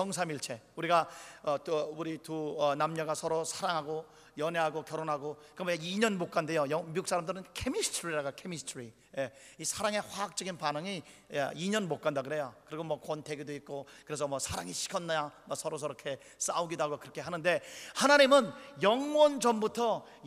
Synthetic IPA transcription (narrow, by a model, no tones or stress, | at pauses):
jʌŋs̬ʰamiɭt͡ɕʰe̞uɾiɡaʌtuɾituʌnamɲʌɡasʰʌɾosʰaɾaŋɦaɡo | jʌneɦaɡokjʌɾonɦaɡokɯɾmʌeiɲʌnmok͈andejojʌmiuks͈aɾamdɯɾɯnkʰemistʰɾiɾaɡakʰe̞mistʰɾi | jeisʰaɾaŋe̞ɸwaɦak̚t͡ɕ͈ʌɡinpanɯŋi | ḛiɲʌnmok͈andaɡɯɾe̞jokɯɾiɡomwʌkwʌntʰe̞ɡidoit̚k͈okɯɾe̞s̬ʰʌmʌsʰaɾaŋiɕʰi̥kʰʌnːʌɲamʌsʰʌɾos̬ʰʌɾʌkʰe̞ | s͈auɡidaɡokɯɾʌkʰe̞ɦanɯnde̞hanaɲimɯnjʌŋwʌnd͡ʑʌmbutʰʌ